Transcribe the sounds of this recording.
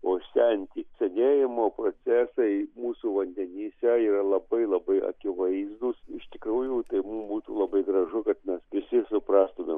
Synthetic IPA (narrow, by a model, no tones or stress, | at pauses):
oːsʲɛnʲt̪ʲiːsʲɛnʲeːjɪmoːproːt͡sʲæːsɐɪmuːsuːʋɐnʲd̪ʲɛnʲiːsʲɛiːɾɐlˠɐbɐɪlˠɐbɐɪʔɐ̰kʲɪʋɐɪzd̪ʊsɪʃt̪ʲɪkɾuːjuːt̪ɐɪmumbuːt̪uːlˠɐbɐɪɡɾɐʒʊkɐt̪mʲɛsʋʲɪsʲɪsʊprɑːst̪ʊmʲeːm